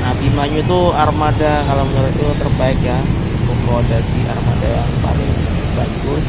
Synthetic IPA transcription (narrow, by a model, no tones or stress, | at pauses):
nabimaɲut̪uarmadakalaməɡaɾʊt̪ut̪ərbaɪkjasəkuklwadadiʔa̰rmadajaŋpa̰lɪŋa | baɡʊs